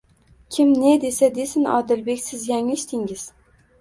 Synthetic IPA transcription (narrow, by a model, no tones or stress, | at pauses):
kʲʰɪmned̪e̞sad̪esɪnɒ̰d̪ɪlbekʲsɪzjaŋɪʃt̪ʰɪŋɪz̥